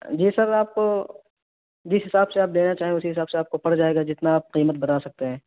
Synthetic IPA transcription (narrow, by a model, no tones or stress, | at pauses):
d͡ʒiːsɐɾaːp̚ko | d͡ʒɪsɦɪsaːbseaːpleːnat͡ʃaːɦiɛ̃ʊsiɦɪsaːbseaːp̚kopɐɽd͡ʒaːeːɡad͡ʒɪt̪naːp̚qiːmət̪̚bɐnaːsɐk̚t̪eɦɛ̃ː